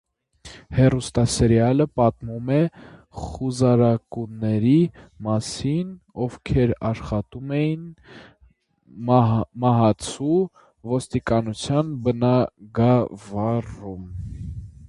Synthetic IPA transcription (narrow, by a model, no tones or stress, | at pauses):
hɛrust̪ɑsɛɾjɑləpɑt̪mumɛχuzɑɾɑkunːɛɾimɑsin | ɔvkʰɛɾɑʃχɑt̪umɛjin | mɑɦɑt͡sʰu | vɔst̪ikɑnut͡sʰjɑnbənɑɡɑvɑrum